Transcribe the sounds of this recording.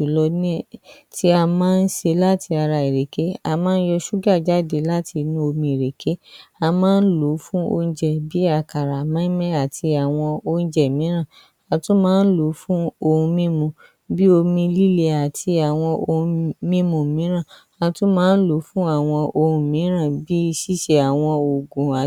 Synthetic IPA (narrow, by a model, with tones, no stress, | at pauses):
ʃu˨lɔ˧nĩ˦ | ti˦a˧mãː˦n̩˦ʃe˧la˦tʰi˧a˧ɾa˧e˨ɾe˨ke˨˦a˧mãː˦n̩˦jɔ˧ʃu˦ɡa˦˨d͡ʒa˦˨de˨la˦ti˧nũ˦o˧mĩ˧i˨ɾe˨kʰe˨˦a˧mãː˦n̩˦lo˨˦fũ˦o̰˧ñ̩˧d͡ʒɛ˨bi˦a˦˧˨ka˨ɾa˨mãː˨˦mɛ̃˦a˨ti˧a˨w̃ɔ̃˧o˧ũ˦d͡ʒɛ˨mĩ˨˦ɾ̃ã˦˨ | a˧tũ˦mãː˦n̩˦lo˨˦fũ˦o˧ũ˧mĩ˦mũ˧ | bi˦o˧mĩ˧li˦le˧a˨tʰi˧a˨w̃ɔ̃˧õ˧mĩ˦mũ˧˨mĩ˨˦ɾ̃ã˦˨ | a˧tũ˦mãː˦n̩˦lo˨˦fũ˦a˦˨w̃ɔ̃˧o˧ũ˧mĩ˨˦ɾã˦˨bi˦i˧ʃi˦ʃe˧a˨w̃ɔ̃˧o˨ɡũ˨a˨